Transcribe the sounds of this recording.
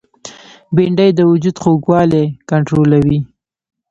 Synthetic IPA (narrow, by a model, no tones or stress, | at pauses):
biɳɖəjd̪əwʊd͡ʒud̪xoɡwɑlekaɳʈɾolawi